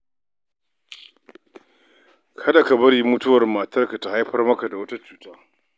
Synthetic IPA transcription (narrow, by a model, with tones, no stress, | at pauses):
kʰɐ˦da˨ka˨bɐ˦rji˦mʊ˦tʊ˦wɐ˨rmaː˨tɐ˦rka˨ta˨ha˦jɸɐ˦rmɐ˦ka˨da˨wɐ˦ta˦t͡ʃuː˨taː˦